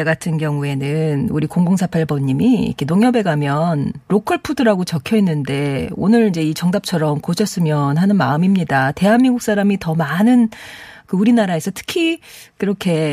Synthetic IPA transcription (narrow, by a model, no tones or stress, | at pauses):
eɡatʰɯnɡjʌŋue̞nɯnuɾikoŋɡoŋsʰapʰaɭbʌɲːimiḭkʰe̞noŋjʌbe̞ɡamjʌnɾokʰɯɭpʰudɯɾaɡot͡ɕʌkʰjʌinːɯnde̞o̰nɯɾid͡ʑe̞it͡ɕʌŋdap̚t͡ɕʰʌɾʌmkoɕʰʌs͈ɯmjʌnɦanɯnmaɯmimɲidate̞ɦanmiŋɡuk̚s͈aɾamitʌmanɯnkɯuɾinaɾae̞sʰʌtʰɯ̥kʰikɯɾʌkʰe̞